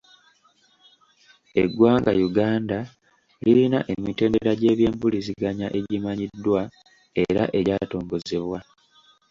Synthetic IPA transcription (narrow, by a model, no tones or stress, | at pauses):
e̞ɡwaːŋɡa̰juɡaːnda | liɾinaʔe̞mite̞ːndeɾaɟe̞ːβje̞ːmpuliziɡaɲaʔe̞ɟimaɲidːwa | e̞ɾa̰ʔe̞ɟaːto̞ːŋɡo̞ze̞βwa